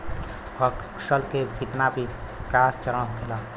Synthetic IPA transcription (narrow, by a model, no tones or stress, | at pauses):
pʰək | səlkebit̪nabʱikaːst͡ʃəɾəñɦokʰela